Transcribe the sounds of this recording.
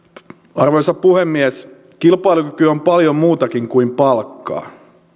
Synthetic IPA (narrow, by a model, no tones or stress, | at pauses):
ɑrʋojsɑpuhemːies | kilpɑijlukykyompɑljommuːt̪ɑkiŋkuimpɑlkːɑ̰ː